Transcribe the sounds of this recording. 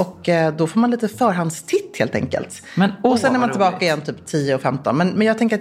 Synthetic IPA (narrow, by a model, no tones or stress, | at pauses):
ɔkd̪ɔfoːɾmanliːt̪əfœːɾɦand̪st̪ʰɪt̪ːhḛːlt̪ʰɛ̰ŋkə̰lt̪ | ɔsɛnæɾmant̪ɪlbɑːkaɪjɛnːt̪ʰyːpt̪ʰiːəɔfɛmt̪ɔ̰nmɛnmɛnjɑɡt̪ɛŋk̬əɾat̪